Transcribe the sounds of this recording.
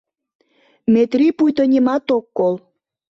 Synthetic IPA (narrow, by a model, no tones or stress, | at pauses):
met̪ripujt̪onʲimɑt̪okːol